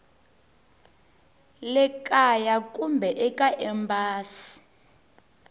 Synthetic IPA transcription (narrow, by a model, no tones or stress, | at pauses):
lɛkʼajakʼumbʱɛʔɛkʼaʔɛmbʱaːsi̥